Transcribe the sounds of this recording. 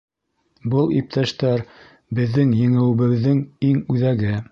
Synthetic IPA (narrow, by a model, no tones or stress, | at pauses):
bɤlˠip̚t̪ʰæʃt̪æɾ | bɘ̆ðːɘŋjɘ̆ŋɘ̆wɘ̆βɘ̆ðːɘŋiŋʉðæɡɘ